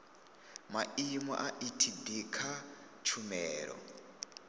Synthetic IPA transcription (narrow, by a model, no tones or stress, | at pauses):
maimɔ̰ʔaʔitʰid̪ikʰa | t͡ʃʰumɛːɺɔ̰